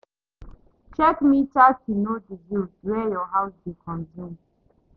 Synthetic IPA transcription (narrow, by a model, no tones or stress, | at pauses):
t͡ʃɛkmit͡ʃatunodizudwɛjɔɦawsdekʰɔ̃nzũm